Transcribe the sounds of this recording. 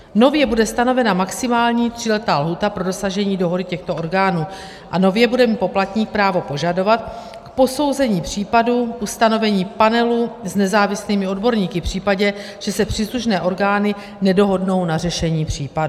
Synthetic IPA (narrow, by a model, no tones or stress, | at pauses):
no̞vjɛbudɛst̪ano̞vɛnamaksɪmaːlɲiːt̪r̝̥ɪlɛt̪aːlɦuːt̪apɾo̞do̞saʒɛɲiːdo̞ɦo̞dɪcɛxt̪oʔo̞ɾɡaːnuː | ʔano̞vjɛbudɛmipo̞plat̪ɲiːk̚pɾaːvo̞po̞ʒado̞vat̪̚ | kpo̞so̞wzɛɲiːpr̝̥iːpaduʔust̪ano̞vɛɲiːpanɛluznɛzaːvɪsliːmɪo̞dbo̞ɾɲiːkɪfpr̝̥iːpaɟɛ | ʒ̥ɛsɛpr̥iːsluʃnɛːʔo̞ɾɡaːnɪ | nɛdo̞ɦo̞dno̞wnarɛʃɛɲiːpr̥iːpadu